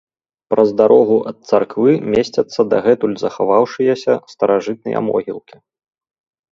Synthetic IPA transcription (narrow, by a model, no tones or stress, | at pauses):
pɾʔɐzd̪aɾʔɔɣuʔɐt̪̚sarkvɨmʲesʲt͡sʲɐt̪sːɐd̪ɐɣɛt̪ulʲzɐxavawʂɨjɐsʲɐst̪ɐɾaʐɨt̪̚nɨjɐ̰mɔ̰ɣʲḭlˠkʲi